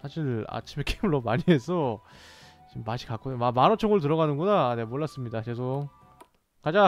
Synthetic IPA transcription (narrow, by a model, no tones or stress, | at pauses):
sʰaɕʰiɾa̰t͡ɕʰime̞k͈ejmɯɭːomaɲiɦe̞s̬ʰʌ | t͡ɕimːaɕʰi̥kak͈omamanʌt͡ɕʰʌŋɯɭtɯɾʌɣanɯnɡunaːne̞moɭːas͈ɯmɲidakes̬ʰʌ | kad͡ʑa